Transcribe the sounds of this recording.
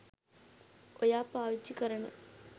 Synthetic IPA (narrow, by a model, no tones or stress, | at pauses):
ojaːpaːʋit͡ʃːikɐɾɐnɐ̰